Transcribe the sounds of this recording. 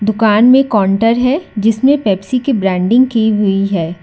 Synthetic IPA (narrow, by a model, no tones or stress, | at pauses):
d̪ʊkaːnmẽkɔːɳʈəɾɦɛd͡ʒɪsmẽpɛːpsikibɾɛ̃ːɳɖɪ̃ŋɡkiɦʊiɦɛː